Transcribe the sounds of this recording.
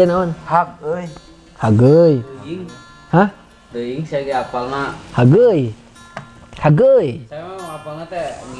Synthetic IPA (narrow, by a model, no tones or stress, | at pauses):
ɛnaɔnhak̚əj | haɡəjŋ | hã | d̪əiŋsaaɡɛapalnahaɡəj | haɡəjaamaapalnat̪ɛ